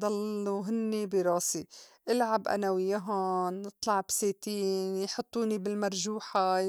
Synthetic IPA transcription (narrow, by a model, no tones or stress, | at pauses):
d̪ˤɑlːuɦɪnːibiɾˤɑːsiʔɪlʕabʔa̰nawɪjːaɦʊnːɨt̪ˤlɑʕbseːt̪iːnjħʊt̪ˤːuːnibɪlmaɾˤʒuːħa